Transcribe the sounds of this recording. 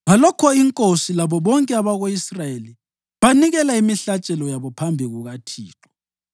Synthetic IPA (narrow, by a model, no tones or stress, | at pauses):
βalɔkʰɔiŋkʼosilaβɔβɔŋkʼɛaβaɣoisrajeli | βaniɣɛlaimiɬat͡ʃʼɛlɔjaβɔpʰambʱiɣuɣatʰiːǁɔ̥